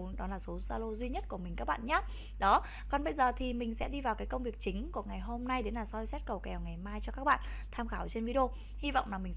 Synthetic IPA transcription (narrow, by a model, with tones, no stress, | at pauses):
nɗɔ˨˦laː˨˩so˨˦zaː˧lo˧zwi˧ɲə˦˥t̚ku˧˩əmi˨˩kaː˦˥k̚ɓa̰ː˧˨nɲaː˨˦ | ɗɔ˨˦ | kɔ˨˩nɓə˧jzəː˨˩t̪ʰi˨˩mï˨˩ŋ̟sɛ̰˧˥ɗi˧vaː˨˩wkaː˨˦jkə˧wŋ͡mvi˨˩ək̚t͡ɕï˨˦ŋ̟ku˧˩əŋa˨˩jɦo˧mna˧jɗe˨˦nlaː˨˩sɔ˧jsɛ˦˥t̚kə˨˩wkɛ˨˩wŋa˨˩jmaː˧jt͡ɕɔ˧kaː˦˥k̚ɓa̰ː˧˨n | t̪ʰaː˧mxaː˧˩wt͡ɕe˧nvi˧ɗo˧ | hi˧va̰˧˨wŋ͡mlaː˨˩mï˨˩ŋ